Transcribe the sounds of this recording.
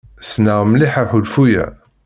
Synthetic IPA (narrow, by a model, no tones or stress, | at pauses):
snaʁmliħəɾħulfujæ̰